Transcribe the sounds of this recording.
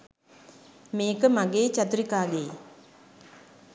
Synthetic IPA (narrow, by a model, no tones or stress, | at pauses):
meːkɐmɐɡeːt͡ʃɐt̪uɾikaːɡeː